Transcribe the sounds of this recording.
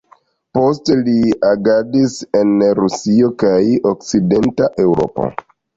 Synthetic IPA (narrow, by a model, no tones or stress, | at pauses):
po̞steliaɡadise̞nɾusio̞kajok̚t͡side̞ntaʔe̞wɾo̞̰po̞̰